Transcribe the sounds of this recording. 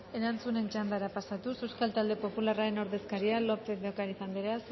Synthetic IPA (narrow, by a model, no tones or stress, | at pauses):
e̞ɾant͡sune̞nt͡ʃand̪aɾapasat̪usewskalt̪ald̪e̞po̞pularae̞noɾðe̞skaɾialo̞peðokaɾisand̪iɾas